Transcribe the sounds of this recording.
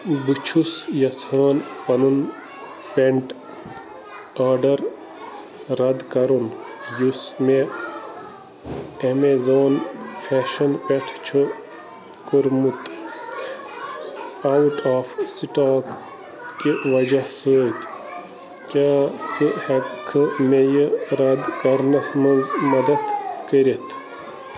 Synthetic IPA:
bɨt͡ʃʰusjɐsʰaːnpɐnun | peɳʈ | aːɖɐɾ | ɾɐd̪kɐɾunjusme | emezoːnfʰeːʃɐnpeʈʰt͡ʃʰu | kuɾmut̪ | auʈʰaːfsiʈaːk | kiʋɐd͡ʒɐhsəːt̪ | kʲaːt͡sɨhekʰːɨmejəɾɐd̪kɐɾnɐsmɐnzmɐd̪ɐd̪kəɾet̪ʰ

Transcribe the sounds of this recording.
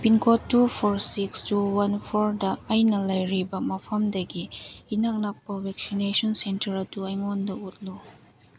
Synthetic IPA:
pinkʰɔtːupʰɔɾsikstuwɐnpʰɔɾdɐːjnɐlɐjɾibɐmɐpʰɐmdɐɡiːnak̚nak̚pɐwɛk̚sinesɔnsentɐɾɐtuajŋɔndɐut̚lu

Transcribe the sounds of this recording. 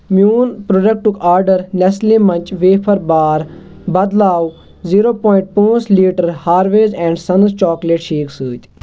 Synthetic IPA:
mjuːnpɾoːɖek̚ʈukaːɾɖəɾnɐslĩːmɐ̃nt͡ʃʼʋeːpʰɐɾbaːɾ | bɐd̪laːw | ziːɾoːpɔːɪ̃ɳʈ̚pũːsliːʈəɾhaːɾʋeːzɛ̃ːɳɖsɐnzt͡ʃɔːkleːʈʃeːksɨːt̪ʲ

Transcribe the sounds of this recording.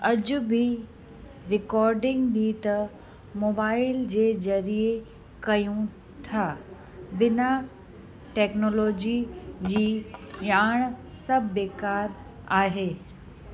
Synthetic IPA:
ɐd͡ʑʊbʱi | ɾɪkɔːɾɖɪ̃ŋɡbʱit̪ɐ | moːbaːɪld͡ʑeːzɐɾie | kɐjũ | t̪ʰaː | bɪna | ʈɛːknoːloːd͡ʑid͡ʑiːjaːɽ̃ | sɐbʱːeːkaːɾ | aːɦeː

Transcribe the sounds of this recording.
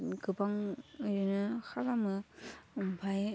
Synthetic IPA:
ɡɯbaŋɯɾɯnɯxaɾamɯmpʰaj

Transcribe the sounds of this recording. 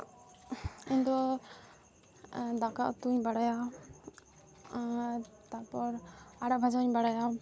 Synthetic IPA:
iɲd̪ɔ | d̪akaʔɔ̰t̪uɲbaɽaja | t̪aɾpɔɾaɽaʔbʱad͡ʒaɲbaɽaja

